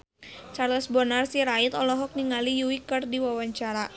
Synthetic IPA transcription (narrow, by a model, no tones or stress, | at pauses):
t͡ʃarlɛsbɔnarsiɾait̪ɔlɔɦɔk̚niŋalijuikɨrdiwawaɲt͡ʃaɾa